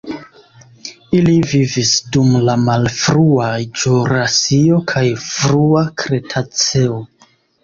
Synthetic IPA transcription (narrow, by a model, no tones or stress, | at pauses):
ilivivisdumlamalfɾuad͡ʒuɾasio̞kʰajfɾuakɾe̞tʰat͡seo